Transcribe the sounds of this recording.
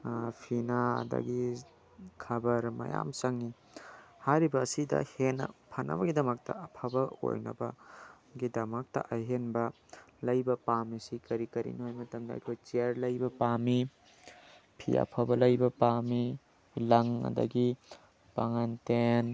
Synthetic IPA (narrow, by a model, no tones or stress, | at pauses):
pʰinaɐ̰dɐ̰ɡi | kʰɐbɐɾmɐ̰ja̰msɐŋi | haɾibɐːsidɐ̰henɐ̰pʰɐnɐ̰bɐɡidɐmɐk̚tɐ̰ɐpʰabɐo̰jnɐ̰bɐ | ɡidɐmɐk̚tɐ̰ʔɐjɦenbɐ | lɐjbɐpamisikɐɾikɐɾḭniɦojmɐtɐmdɐɐ̰jkʰojt͡ʃiɾlɐjbɐpami | pʰḭɐ̰pʰabɐlɐjbɐpami | lɐŋɐ̰dɐ̰ɡi | paŋanten